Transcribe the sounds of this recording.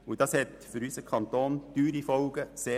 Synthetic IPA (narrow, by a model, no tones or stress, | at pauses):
ud̥ɑshɛtfʏɾysəkʰɑnt̪oːnt̪yːɾifɔlɡəseː